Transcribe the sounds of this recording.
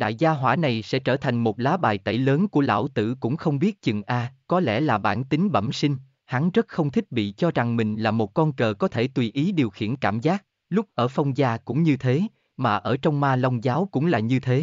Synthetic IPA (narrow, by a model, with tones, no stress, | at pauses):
ɗa̰ː˧˨jzaː˧ɦwaː˧˩na˨˩jsɛ̰˧˥t͡ɕəː˧˩t̪ʰa˨˩jŋ̟mo˨˩t̚laː˨˦ɓaː˨˩jt̪ə̰˧˩˨jləː˨˦nku˧˩əla̰ː˧˥˩wt̪ɨ̰˧˨kʊ̰˧˥ŋ͡mxə˧wŋ͡mɓi˦˥ət̚t͡ɕɨ˨˩ŋʔaː˧kɔ˨˦lɛ̰˧˩laː˨˩ɓa̰ː˧˩nt̪ï˨˦ŋ̟ɓə̰˧˩msï˧ŋ̟ | ha˨˦nzə˦˥t̚xə˧wŋ͡mt̪ʰi˦˥k̚ɓḭ˧˨t͡ɕɔ˧za˨˩ŋmï˨˩ŋ̟laː˨˩mo˨˩t̚kɔ˧nkəː˨˩kɔ˨˦t̪ʰe˧˩t̪wi˧˩ʔi˨˦ɗi˨˩əwxḭ˧˩˨ənkaː˧˩mzaː˦˥k̚ | lʊ˦˥k͡p̚ʔəː˧˩fɔ˧wŋ͡mzaː˧kʊ̰˧˥ŋ͡mɲɨ˧t̪ʰe˨˦ | maː˨˩ʔəː˧˩t͡ɕɔ˧wŋ͡mmaː˧lə˧wŋ͡mzaː˨˦wkʊ̰˧˥ŋ͡mlaː˨˩ɲɨ˧t̪ʰe˨˦